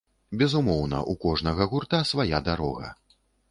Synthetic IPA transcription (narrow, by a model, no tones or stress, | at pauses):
bʲɛzumɔwnɐ̰ʔukɔʐnɐɣɐɣurt̪asvajad̪aɾɔ̰ɣɐ̰